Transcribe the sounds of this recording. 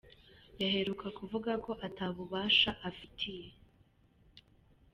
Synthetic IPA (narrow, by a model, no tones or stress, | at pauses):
jaɦe̞ɾukakuvuɡako̞ʔataːβuβaːʃaʔafitʰije̞